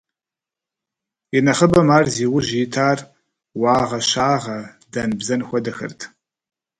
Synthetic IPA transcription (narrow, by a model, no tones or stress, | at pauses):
jɪnɐχəbɐmaːrziːwʊʒiːtʰaːr | waːʁɐʃaːʁɐ | dɐnbzɐnxʷɔdɐxɨ̰rtʰ